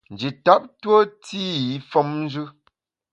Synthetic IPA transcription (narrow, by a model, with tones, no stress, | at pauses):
n̩˨d͡ʒi˨ta˦p̚two˦ti˦i˨˦fɔ˦mn˦d͡ʒʉ˦